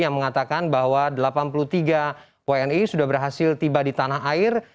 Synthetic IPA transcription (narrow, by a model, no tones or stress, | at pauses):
jaŋməŋat̪akanbaɦwadəlapanpulut̪iɡa | weɛnisudahbərɦasɪlt̪ibadit̪anaɦaɪr